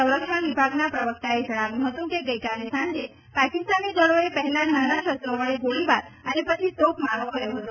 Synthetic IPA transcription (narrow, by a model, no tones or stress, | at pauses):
sə̃w̃ɾəkʃəɳʋibʱaɡnapɾəʋək̚t̪aed͡ʒəɭaʋjũɦət̪ũkeɡəjkalesãɲd͡ʒe | pakist̪anid̪əɭoepəɦɛlananaʃəst̪ɾoʋəɭeɡoɭibaɾənepət͡ʃʰisokmaɾokəɾjõɦət̪ũ